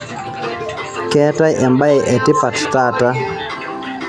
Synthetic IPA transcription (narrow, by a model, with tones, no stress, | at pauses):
kɛ˦ta˦ʔɛ˨mba˦ɛ˨ʔɛ˨tɪ˦pa˨tta˦ta˦